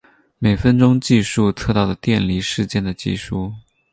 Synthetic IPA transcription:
me˨˩ɪfə˥nʈ͡ʂʊ˥ŋt͡ɕi˥˧ʂu˥˧t͡sʰɤ˥˧t̪ɑ˥˩ʊlə˩t̪jɛ˥˩nli˧˥ʂɻ̩˥˧t͡ɕjɛ˥˩nd̪ə˩t͡ɕḭ˥˩ʂu˥˩

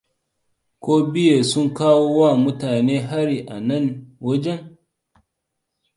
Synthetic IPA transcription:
kʷoː˦bɪ˦je˨sʊ˦ŋkaː˦woː˦wa˦˨mʊ˦taː˨neː˦ɦa˦ɾi˨ʔa˨nɐ˦˨nwɐ˦d͡ʒɛ˦ŋ

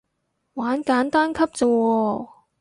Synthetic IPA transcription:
waː˨˥nkaː˨˥nt̪aː˥nkʰɐ˥p̚t͡sɔ˧wɔː˧

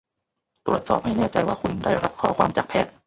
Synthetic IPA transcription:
t̪ɾu˨˩ət̪̚sɔː˨˩p̚ha˥˩jnɛː˥˩t͡ɕa˧jwaː˥˩kʰu˧ndaː˥˩jɾa˦˥p̚kʰɔː˧˩˦kʰwaː˧mt͡ɕaː˨˩k̚pʰɛː˥˩t̪̚

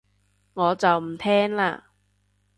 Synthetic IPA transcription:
ŋɔː˨˧t͡sɐ˨wm̩˨˩t̪ʰɛː˥ŋla̰ː˧

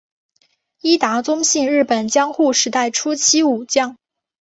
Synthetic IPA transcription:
i˥t̪a˧˥t͡sʊ˥ŋɕi˥˧ŋɻɻ̩˥˩pə˨˩nt͡ɕjɑ˥ŋxu˥˩ʂɻ̩˧˥t̪a˥˩ɪʈ͡ʂʰu˥t͡ɕʰi˥u˨˩t͡ɕjɑ˥˩ŋ

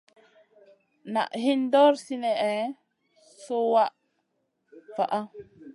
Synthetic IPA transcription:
na̰˨ʔhi˦ndɔ˦ɾsi˦nɛ˨ʔɛ˨ | so˦wa˦ʔ | fa̰˨ʔa˦

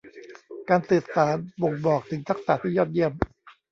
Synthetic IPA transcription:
kaː˧nsɯː˨˩t̪̚saː˩˦nbo˨˩ŋbɔː˨˩k̚t̪ʰɯ˩˦ŋt̪ʰa˦˥k̚sa˨˩t̪ʰiː˥˩jɔː˥˩t̪̚ji˥˩əm

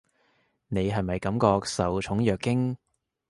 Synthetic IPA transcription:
ne˨˧jɦɐ˨jmɐ˨jkɐ˨˥mkɔː˧k̚sɐ˨˧wt͡ʃʰʊ˨˥ŋjœː˨kːɪ˥ŋ

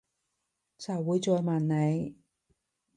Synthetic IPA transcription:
t͡sʰɐ˨˩wːuː˨˧jt͡sɔː˧jmaː˨˩nne˨˧j

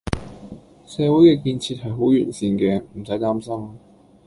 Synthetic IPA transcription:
sɛː˨˧wu˨˥jkɛː˧kiː˧nt͡sʰiː˧t̚ɦɐ˨jɦo˨˥wjyː˨˩nsiː˧nkɛː˧m̩˨˩sɐ˨˥jt̪aː˥msɐ˥m˧

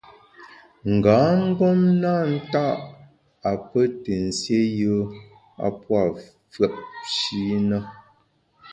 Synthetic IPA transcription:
ŋ̩˨ɡaː˨˦ŋ̩˦ɡɔ˦mna˦˨n̩˦ta˦ʔ | a˨pə˦te˨n̩˨sje˦jə˦ | a̰˨pwa˦˨ | fɰə˦˨ʔ̚ʃi˨˦nə˦

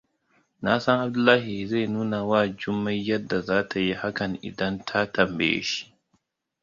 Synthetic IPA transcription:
na˦sɐ˦ŋʔa˨b̚dʊ˦lːaː˦hi˨za˦˨jnuː˦na˨waː˦˨d͡ʒʊ˦mːɐ˦jjɐ˦dːa˨zaː˦tʰa˨ji˦ha˦kɐ˨ŋʔɪ̰˨dɐ˦ntʰa˦tɐ˨mbḛ˦˨jḛ˦ʃi̥˦ʔ

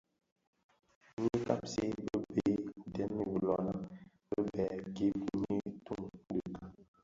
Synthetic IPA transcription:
ɲi˦ka˦p̚se˦bə˦be˨˦˨dɛ˦mːi˨bə˨lɔ˨na˦ | bə˦bɛː˨ɡe˦bu˨˦ɲi˦tu˦ŋ˦də˨ka˨

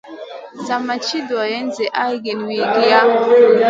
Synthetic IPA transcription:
sa˨ma˨t͡ʃi˦dwa˨jɛ˦nzɛ˨ʔa˦ɡi˨nwi˨ɡi˨ja˦

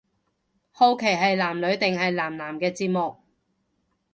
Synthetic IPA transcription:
ho˧wkʰe˨˩jɦɐ˨jlaː˨˩mlɵ˨˧ɥt̪ɪ˨ŋɦɐ˨jlaː˨˩mlaː˨˩mkɛː˧t͡siː˧t̚mʊ˨k̚

